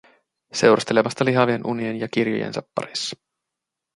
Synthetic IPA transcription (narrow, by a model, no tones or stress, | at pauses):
se̞wɾʔɑst̪e̞le̞mɑst̪ɑliɦɑʋie̞nʔunienjɑk̟irjṵjḛnsɑpːɑ̰ɾisːɑ̥